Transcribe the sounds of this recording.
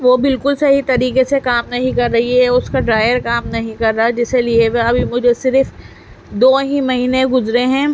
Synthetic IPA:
ʋoːbɪlkʊlsɐɦit̪ɐɾiːkesekaːmnɐɦĩkɐɾːɐɦiɦɛʊskaɖɾaːɪjəɾkaːmnɐɦĩkɐɾːad͡ʒɪselieʋeɐbʱimʊd͡ʒʱesɪɾf | d̪oːɦĩmɐɦiːnẽɡʊzɾeɦɛ̃ː

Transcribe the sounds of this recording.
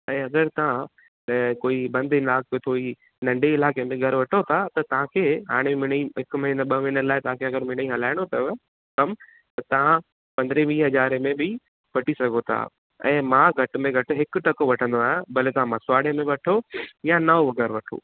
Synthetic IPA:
ɛ̃ːɐɡəɾt̪ɐʋã | koːibɐ̃nd̪ɪlaːk̚ot̪ʰoːi | nɐ̃ɳɖʱeɪlaːkemẽɡʱɐɾʋɐʈʰot̪ʰat̪ɐt̪ɐʋ̤ãkʰeːɦa̰ːɽ̃emɪniɦɪkmɐɦinəɓɐmiːnəɾlaːɪt̪ɐʋ̤ãkʰeɐɡəɾmɪñĩɦɐlaːɪɽ̃ot̪ɐ | kɐm | t̪ɐt̪ɐʋ̤ã | pɐ̃nd̪ɾeʋiːɦɐzaːɾemẽbɪ | ʋɐʈisɐɡʱot̪ʰa̰ | ɛ̰̃ːmãːɡʱɐʈmẽɡʱɐʈʊ̆ɦɪkʈɐkoʋɐʈʰə̃nd̪oaːɦjẽbɐlet̪ɐãmãsʊaːɽemẽʋɐʈʰojãnɐoɡɛɾʋɐʈʰo̰ː

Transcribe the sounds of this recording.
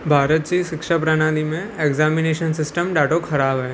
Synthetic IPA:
bʱaːɾət̪̚t͡ʃiʃɪkʃapɾanaːlimẽeɡzaːmineːʃənsɪsʈəmɖaːʈokʰɐɾaːbɦɛː

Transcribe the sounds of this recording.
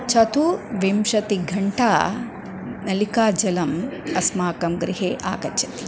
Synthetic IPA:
t͡ʃɐt̪uʋemʃɐt̪iɡʱɐɳʈaː | nɐlikaːd͡ʒɐlɐmɐsmaːkɐmɡɾiɦeːʔa̰ːkɐt͡ʃʰɐ̥t̪i̥

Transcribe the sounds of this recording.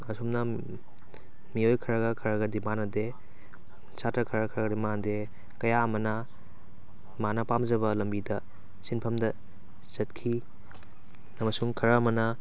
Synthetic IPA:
ɐsumnɐ | miojkʰɐɾɐɡɐkʰɐɾaɡɐdimanɐde | satɾɐkʰɐɾɐkʰɐɾɡɐdimande | kɐjaɐmɐnɐ | manɐpamd͡ʒɐβɐlɐmbidɐ | sinpʰɐmdɐ | zɐt̚kʰi | ɐmɐsuŋkʰɐɾɐːmɐnɐ

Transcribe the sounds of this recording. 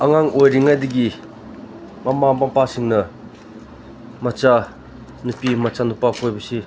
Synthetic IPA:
aŋaŋojɾiŋajd̪iɡi | mamamapasiŋnɐ | mat͡ʃa | nupimat͡ʃanupakʰojbɐsi

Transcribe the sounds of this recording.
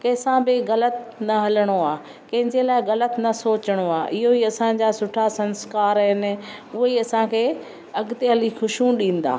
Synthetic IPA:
kɐsãbɪɣɐlət̪nɐɦɐləɽ̃oaː | kɐ̃ɦɪ̃ɲd͡ʑelaːɪɣɐlət̪nɐsoːt͡ɕəɽ̃oa̰ːʔɪɦoiɐsãɲ̆d͡ʑaːsʊʈʰasɐ̃nskaːɾɦɪnɪ̆ʊɦeiɐsãkʰeː | ɐɡt̪eɦɐlixʊʃũɗĩːn̆d̪a̰ː

